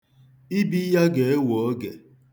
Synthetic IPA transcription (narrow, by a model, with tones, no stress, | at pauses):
i˦bi˦ja˦ɡe˨e˦wo˨o˦ɡe˨